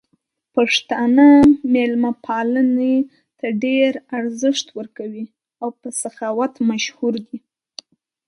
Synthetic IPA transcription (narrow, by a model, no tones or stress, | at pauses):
paʂt̪ɑnamelmapʰɑləne | t̪aɖeɾaɾzəʂt̪wəɾkawi | awpəsaxɑwat̪maʃhuɾd̪i